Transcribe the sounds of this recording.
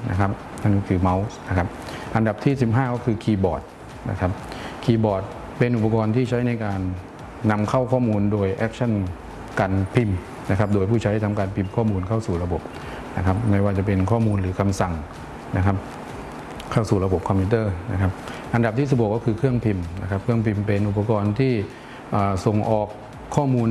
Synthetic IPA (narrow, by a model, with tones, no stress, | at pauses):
na̰˦˥kʰa˦˥p̚ | na˦˥˩nkɔː˥˩kʰɯː˧ma˦˥wna˦˥kʰa˦˥p̚ʔa˧nda˨˩p̚t̪ʰiː˥˩si˨˩p̚ɦaː˥˩kɔː˥˩kʰɯː˧kʰiː˧bɔː˨˩t̪̚ | na̰˦˥kʰa˦˥p̚kʰiː˧bɔː˨˩t̪̚ | pe˧nʔu˨˩p̚ːa˧kɔː˧nt̪ʰiː˥˩t͡ɕʰa˦˥jna˧jkaː˧nː | a˧mkʰa˥˩wkʰɔː˥˩muː˧ndoː˧jʔɛ˦˥k̚t͡ɕʰa˥˩n | kaː˧npʰi˧m | na˦˥kʰa˦˥p̚doː˧jpʰuː˥˩t͡ɕʰa˦˥jht̪ʰa˧mkaː˧npʰi˧mkʰɔː˥˩muː˧nkʰa˥˩wsuː˨˩ɾa˧bo˨˩p̚ | na˦˥kʰa˦˥p̚ma˥˩jwaː˥˩t͡ɕa˨˩p̬e˧nkʰɔː˥˩muː˧nɾɯː˩˦kʰa˧msa˨˩ŋ | na˦˥kʰa˦˥p̚ | kʰa˥˩wsuː˨˩ɾa˧bo˨˩p̚kʰɔ˧mpʰiː˦˥t̪ɤː˥˩na̰˦˥kʰa˦˥p̚ʔa˧nda˨˩p̚t̪ʰiː˥˩si˨˩bkːɔː˥˩kʰɯː˧kʰɯ˥˩əŋpʰi˧mna̰˦˥kʰa˦˥p̚kʰɯ˥˩əŋpʰi˧mpe˧nʔu˨˩pːa˧kɔː˧nt̪ʰiː˥˩ | ʔaː˨˩so˨˩ŋʔɔː˨˩kʰː | ɔː˥˩muː˧n